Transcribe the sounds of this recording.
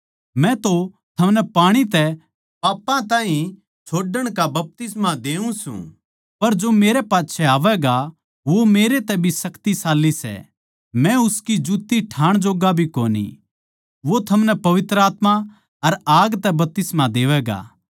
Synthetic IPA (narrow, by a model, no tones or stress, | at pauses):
mɛ̃t̪o | t̪ʰɐmnɛpaːɽ̃it̪ɛ | paːpːãt̪ãːɦĩ | t͡ʃʰoːɖəɽ̃kabɐp̚t̪ɪsmãd̪eːũsṵ̃ | pɐɾd͡ʒomeːɾɛpaːtːʃʰɛaːʋɛɡa | ʋomeːɾet̪ɛbʱisɐkt̪isaːlːisɛ̰ | mɛ̃ʊskid͡ʒuːt̪ːiʈʰaːɽ̃d͡ʒoːɡabʱiko̰ːnḭ | ʋot̪ʰɐmnɛpɐʋɪt̪ɾəaːt̪ma | ɐɾaːɡt̪ɛbɐp̚t̪ɪsmad̪eːʋɛɡa̰ː